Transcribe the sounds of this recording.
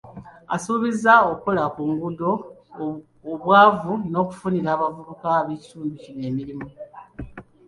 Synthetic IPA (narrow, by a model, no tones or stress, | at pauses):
a̰suːβizaoko̞lakuŋɡudo̞ | βwaːvuno̞ːku̥funiɾaːβavuβukaβe̞ːci̥tuːnducine̞ːmiɾimu